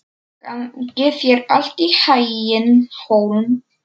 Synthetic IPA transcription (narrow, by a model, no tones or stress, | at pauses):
ŋcɪθjɛɾal̥t̪ihajɪnhoːwln